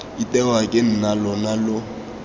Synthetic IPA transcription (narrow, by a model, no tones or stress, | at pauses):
itʼɛwakʼɪn̩nalɔnalʊ